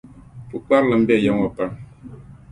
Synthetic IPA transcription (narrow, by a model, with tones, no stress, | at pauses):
pu˨k͡pa˦ɾlɨ˨m̩˦bɛ˦˨ja˦ŋwa˨pa˦ŋ